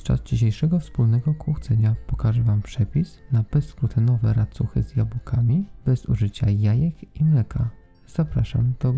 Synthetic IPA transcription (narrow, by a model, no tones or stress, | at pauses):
t͡ʂa̰zd͡ʑiɕ̬ejʂɛɡɔfspulnɛɡɔkwuxt̪sɛɲapɔkaʐɛvampʂɛpʲisnabɛskɾut̪ɘnɔvɛɾat̪suxɘ̰zjabukʰamʲibɛzṵʐɘt͡ɕajajɛkimlɛkʰa | z̥apɾaʂa̰md̪̥ɔ